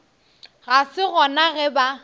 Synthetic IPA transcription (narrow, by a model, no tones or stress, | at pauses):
ɣasɪɣɔnaɣɛba